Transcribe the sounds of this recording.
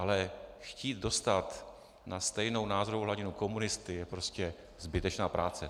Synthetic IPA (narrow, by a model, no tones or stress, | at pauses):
ʔalɛxciːt̪̚do̞st̪at̪ | nast̪ɛjno̞wnaːzoɾowɦlaɟɪnuko̞munɪst̪ɪjɛpɾo̞scɛ | zbɪt̪ɛt͡ʃnaːpɾaːt͡sɛ